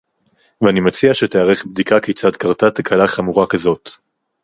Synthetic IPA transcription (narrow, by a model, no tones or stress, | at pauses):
veanimat͡siaʃeteaʁeχbd̪ikakejt͡sad̪kaʁt̪at̪akʰalaχamuʁakazot